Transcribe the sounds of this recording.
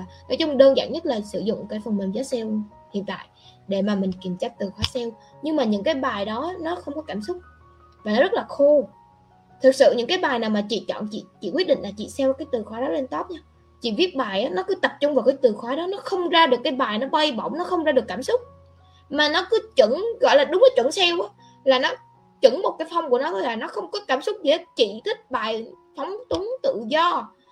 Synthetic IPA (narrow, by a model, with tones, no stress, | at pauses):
no˨˦jt͡ɕʊ˧ŋ͡mɗəː˧nza̰ː˧˨ŋɲə˦˥t̚laː˨˩sɨ̰˧˩zʊ̰˧˨ŋ͡mkaː˨˦jfə˨˩nmï˨˩ŋ̟zɔː˨˦jsɛ˧w | hḭ˧˨ənt̪a̰ː˧˨jɗe˧˩maː˨˩mï˨˩ŋ̟ki˨˩əmt͡ɕaː˧k̚t̪ɨ˨˩xwaː˨˦jsɛ˧w | ɲɨ˧ŋmaː˨˩ɲɨ̰˧˥ŋkaː˨˦jɓaː˨˩jɗɔ˨˦nɔ˨˦xə˧wŋ͡mkɔ˨˦kaː˧˩msʊ˦˥k͡p̚ | vaː˨˩nɔ˨˦zə˦˥t̚laː˨˩xu˧ | t̪ʰɨ˨˩k̚sɨ̰˧˨ɲɨ̰˧˥ŋkaː˨˦jɓaː˨˩jnaː˨˩wmaː˨˩t͡ɕḭ˧˨t͡ɕɔ̰˧˨nt͡ɕḭ˧˨t͡ɕḭ˧˨kwi˦˥əɗḭ˧˨ŋ̟laː˨˩t͡ɕḭ˧˨sɛ˧wkaː˨˦jt̪ɨ˨˩xwɔː˨˦jɗɔ˨˦le˧nt̪o˦˥p̚ɲaː˧w | t͡ɕḭ˧˨vi˦˥ət̚ɓaː˨˩jʔaː˨˦nɔ˨˦kɨ˨˦t̪ə˨˩p̚t͡ɕʊ˧ŋ͡mvaː˨˩wkaː˨˦jt̪ɨ˨˩xwɔ˧˩jɗɔ˨˦nɔ˨˦xə˧wŋ͡mzaː˧ɗɨ˨˩əkːaː˨˦jɓaː˨˩jnɔ˨˦ɓə˧jɓə̰˧˨wŋ͡mnɔ˨˦xə˧wŋ͡mzaː˧ɗɨ˨˩əkːaː˧˩msʊ˦˥k͡p̚ | maː˨˩nɔ˨˦kɨ˨˦t͡ɕɨ˧˩ŋɣɔ̰˧˨jlaː˨˩ɗʊ˨˦ŋ͡mnɔ˨˦t͡ɕɨə˧˩ŋsɛ˧wʔaː˨˦ | laː˨˩nɔ˨˦ | t͡ɕɨ˧˩ŋmo˨˩t̚kaː˨˦jfa˧wŋ͡mku˧˩ənɔ˨˦ɣə˧˦jlaː˨˩nɔ˨˦xə˧wŋ͡mkɔ˨˦kaː˧˩msʊ˦˥k͡p̚zi˨˧˨t͡ɕḭ˧˨t̪ʰï˦˥k̚ɓaː˨˩j | fa˨˦wŋ͡mt̪u˨˦ŋt̪ɨ̰˧˨zɔ˧